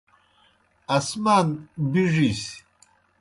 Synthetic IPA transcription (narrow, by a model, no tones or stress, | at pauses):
asmanbiʐis